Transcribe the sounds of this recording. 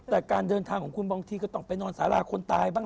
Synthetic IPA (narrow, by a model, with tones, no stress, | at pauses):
t̪ɛː˨˩kaː˧ndɤː˧nt̪ʰaː˧ŋkʰɔː˨˩˦ŋkʰu˧nbaː˧ŋt̪ʰiː˧kɔː˥˩t̪ɔ˥˩ŋpa˧jnɔː˧nsa̰ː˩˦la̰ː˧˩kʰo˧nt̪aː˧jbaː˧˩